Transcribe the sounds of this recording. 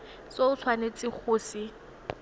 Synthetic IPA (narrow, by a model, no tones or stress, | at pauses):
soʊt͡sʰwanet͡sʼɪk͡xʰʊːsi